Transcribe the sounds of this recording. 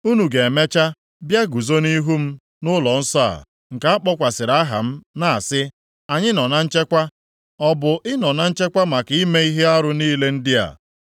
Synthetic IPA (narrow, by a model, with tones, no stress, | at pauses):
u˦nu˨ɡe˨e˨me˦t͡ʃa˦ | bja˦ɡu˨zo˦ni˦ɦu˦m̩˦ | nʊ˦lɔ˨n̩˦sa̰˦˨ | ŋ̩˨ka˦a˦k͡pɔ˦kʷa˨sɪ˨ɾa˦ɦa̰˨m̩˦na˦a˨sɪ˦ | a˨ɲɪ˦nɔ˨na˦n̩˦t͡ʃe˦kʷa˦ | ɔ˦bʊ˨ʔɪ˦nɔ˨na˦n̩˦t͡ʃe˦kʷa˦ma˨ki˦me˦i˦ɦe˦a˦ɾʊ˦niː˦le˦n̩˦dɪ˦a̰˨